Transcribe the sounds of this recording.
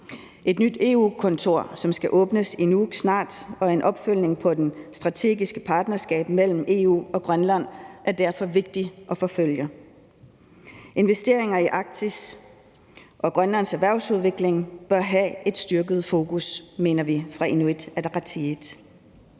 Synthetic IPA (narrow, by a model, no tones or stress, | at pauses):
ʔe̝d̥nyd̥e̝ːṵːkʰɔ̽nt͡sʰo̝ɐ̰sɒ̽msɡ̥æʔɔ̽ːb̥nəsinu̥snɑ̰̈ːd̥ɒ̽ɐenʔɒ̽b̥føl̰ne̝ŋpʰɒ̽d̥ensd̥ʁɑ̈t͡sʰe̝̰ːɡ̥isɡ̥əpʰɑ̈ːd̥nɐsɡ̥ɛ̰ːb̥mel̰m̩e̝ːṵːɒ̽ɡ̥ʁɶnlæn̰ʔæɐd̥æɐfɒ̽ʋe̝ɡ̥̚d̥iʔɒ̽fɒ̽føl̰jɐ | ʔe̝nʋesd̥e̝ɐ̰e̝ŋɐiʔɑ̈ɡ̥̚t͡sʰis | ʔɒ̽ɡ̥ʁɶnlæn̰sæʋæɐʊsuð̞ˠʋe̝ɡ̥le̝ŋb̥ɶɐɦæʔe̝d̥sd̥yɐɡ̥əð̞̩ˠfo̝ːkusme̝̰ːnɐʋifʁɑ̈enuid̥æɐd̥ʁɑt͡sʰiid̥